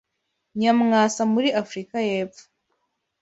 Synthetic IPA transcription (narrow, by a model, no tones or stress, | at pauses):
ɲamŋaːsamuɾiafɾikaje̞ːpfu̥